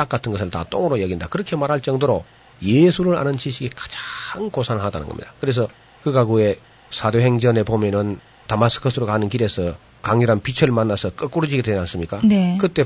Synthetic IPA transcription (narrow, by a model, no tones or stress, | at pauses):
ak͈atʰɯnɡʌs̬ʰɯɭta̰t͈o̰ŋɯɾojʌɡindakɯɾʌkʰe̞maɾɦaɭt͡ɕ͈ʌŋdoɾo | jesʰuɾɯɾa̰nɯnt͡ɕiɕʰiɡekḁd͡ʑaŋkosʰanɦadanɯ̰nɡʌ̰mɲḭd̥̪akɯɾe̞s̬ʰʌ | kɯkaɡue̞ | sʰadoɦe̞ŋd͡ʑʌne̞pomjʌnɯn | tamas͈ʰɯ̥kʰɯsʰɯɾokanɯnkiɾe̞sʰʌ | kaŋjuɾanpit͡ɕʰʌɭmanːasʰʌk͈ʌk͈uɾɯd͡ʑiɡedwenans͈ɯmɲik͈anekɯt͈e̞